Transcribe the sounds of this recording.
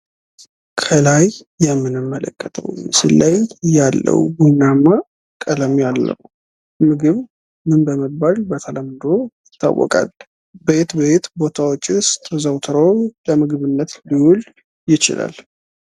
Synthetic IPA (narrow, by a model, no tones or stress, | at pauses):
kʰəlajː | ɛmːɨnɨmːələ̰kʼːət̪ʼʰə̰wjsɨlːajjalːə̰wɡunamːa | kʼələmjalːə̰w | mɨɡɨβ | mɨnbəməbalbət̪ʰələmːɨd̪o̞jɪt̪ʰːa̰wːɔ̰kʼa̰l | bəjet̪bəet̪bo̞t̪ʰawot͡ʃʼːist̪ʼəzəwt̪ʰɨɾowləmɨɡɨβɨnːət̪liwul | jɪt͡ʃɪ̰lʔa̰l